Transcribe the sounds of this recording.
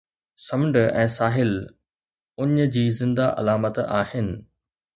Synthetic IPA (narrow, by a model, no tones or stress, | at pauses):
sɐmɳɖəɛ̃ːsaːɦɪl | ʊɲd͡ʑiːzɪ̃nd̪aʔɐ̰laːmət̪aːɦɪnɪ̆